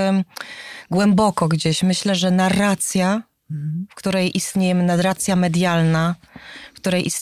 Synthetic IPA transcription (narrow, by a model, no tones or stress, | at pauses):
ɡwɛmbɔkɔɡd͡ʑeɕmɘɕlɛʐɛnaɾat̪sʲja | fkt̪uɾɛjʔist̪ɲejɛmɘnaɾat̪sʲjamɛd̪jalnafkt̪uɾɛjʔist̪